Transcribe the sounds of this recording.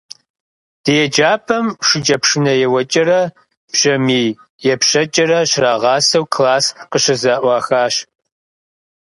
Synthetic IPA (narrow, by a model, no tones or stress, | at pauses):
d̥ɨjɛd͡ʒaːpʰɐmʂɪd͡ʒʼɐpʂɨnɐjɛwɐt͡ʃʼɐɾɐ | bɕɐmiː | jɛpɕɐt͡ʃʼɐɾɐɕraːʁɑːsɐwkʰlaːsqəɕɐzaːʔʷɑːxaːɕ